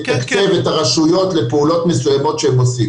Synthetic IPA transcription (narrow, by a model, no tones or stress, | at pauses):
takt͡se̞vetaʁaʃujo̞t̪le̞peulo̞t̪mesujamo̞t̪ʃeemosiɡ